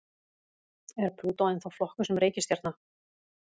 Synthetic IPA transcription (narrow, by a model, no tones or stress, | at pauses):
ɛɾ̥pʰɾuːt̪aɪnθawflɔhkʏsɛmreːjcɪst̪jɛɾt̪na